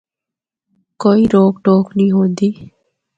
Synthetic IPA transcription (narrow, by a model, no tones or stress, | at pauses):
kɔiɾoɡʈokniɦod̪i